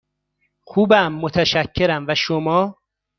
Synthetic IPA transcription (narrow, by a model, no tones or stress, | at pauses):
xuːbæmːot̪ʰæʃæcʰːeɾæmvæʃomɒː